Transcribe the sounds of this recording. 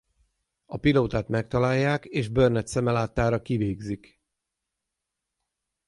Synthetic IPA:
ɒpiloːt̪aːt̪mɛk̚t̪ɒlaːjːaːkeːʒbørnɛt̪sɛmɛlaːt̪ːaːɾɒkiveːɡzik

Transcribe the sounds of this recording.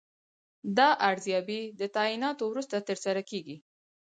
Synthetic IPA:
d̪ɑʔaɽzjɑbid̪ət̪ainɑt̪owɾust̪at̪əɾsaɾakeɡi

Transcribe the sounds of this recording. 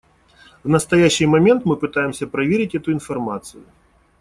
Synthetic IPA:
vnɐst̪ajaɕːɨjmamʲɛnt̪mɨpɨt̪ajɪmsʲɐpɾɐvʲeɾʲɪtʲɛt̪ʊinfarmat̪sɨjʊ

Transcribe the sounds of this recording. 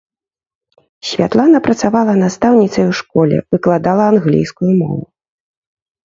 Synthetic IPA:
sʲvʲat̪lˠanɐpɾɐt̪savalˠɐnast̪awnʲit̪sɐjuʂkɔlʲɛ̰vɨklˠad̪alˠɐanɣlʲḭjskujumɔ̰vu

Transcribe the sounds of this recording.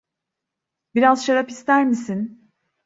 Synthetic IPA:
biɾazʃaɾapist̪æɾmisin

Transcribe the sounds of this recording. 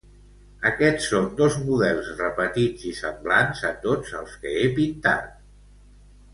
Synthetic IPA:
əkɛt͡sːond̪ozmuðɛlˠzrəpət̪id͡zisəmblanzət̪od͡zəlˠskəepint̪a̰t̪̚

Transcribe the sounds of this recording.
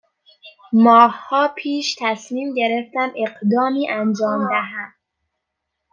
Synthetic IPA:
mɒːhhɒːpʰiːʃt̪ʰæsmiːmɟe̞ɾe̞ft̪æmʔe̞ɢd̪ɒːmiːʔænd͡ʒɒːmd̪æɦæd̪̥̚

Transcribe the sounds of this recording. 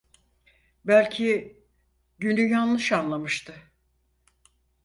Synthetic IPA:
bælʲcʰi | ɟynyjanlˠɯʃanlˠamɯʃt̪ʰɯ

